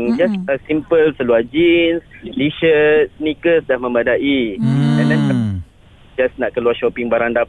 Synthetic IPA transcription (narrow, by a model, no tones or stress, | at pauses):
ŋd͡ʒasəsimpəlsəluad͡ʒinsliʃənikəsədahmə̃madaʔidandanka | d͡ʒasnaʔkəluaʃɔpɪŋbaɾanda